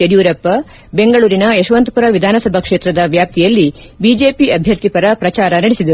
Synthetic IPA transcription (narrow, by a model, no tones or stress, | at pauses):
eɖjuːɾɐpːɐ | beŋɡɐɭuːɾinɐeʃʋɐnt̪puɾɐʋid̪ʱaːnɐsɐbʱɐkʂe̞ːt̪ɾɐd̪ɐʋjaːp̚t̪ʰijɐlːi | bid͡ʒe̞ːpiʔɐbʱjɐɾt̪ipɐɾɐpɾɐt͡ʃaːɾɐnɐɽisid̪ɐɾuu